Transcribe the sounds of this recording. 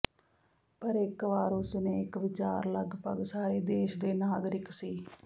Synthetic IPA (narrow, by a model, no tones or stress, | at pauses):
pəɾɪkʋaːɾʊsneːɪkʋɪt͡ʃa̰ːɾləɡpə̰ɡsaːɾeːd̪eːʃd̪eːnaːɡɾɪksiː